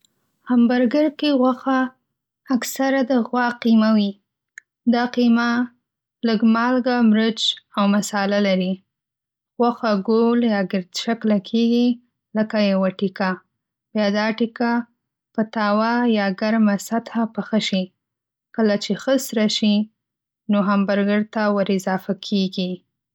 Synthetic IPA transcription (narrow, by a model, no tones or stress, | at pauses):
ambaɾɡəɾkeɣwaxaː | ksaɾad̪əɣwɑqimawi | d̪ɑqima | ləɡmɑlɡamɾəd͡ʒawmasɑlalaɾi | ɣwaxaɡoljɑɡɪɾd̪ʃaklakʰeɡi | ləkajawaʈika | bjɑd̪ɑʈika | pət̪ɑwajɑɡaɾmasat̪hapəxəʃi | kəlat͡ʃexəsɾaʃi | noɦambaɾɡəɽt̪awəɾɪzɑfakʰeɡi